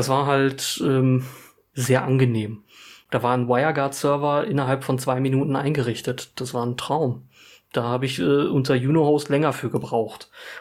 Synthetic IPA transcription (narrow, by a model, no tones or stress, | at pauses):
d̥asv̥aːɐɦaltʔɛːm | zeːɐʔanɡəneːmd̥aːvaːɐnwaɪɐɡaːɐtsœɐvɐʔɪnɐɦalpfɔnt͡sv̥aɪminuːtn̩ʔa̰ɪnɡəʁɪçtətd̥asv̥aːɐntʁ̥aʊm | d̥aːhaːbəɪçʔɛːʔʊntɐjuːnohoʊstlɛŋɐfyːɐɡəbʁaʊxt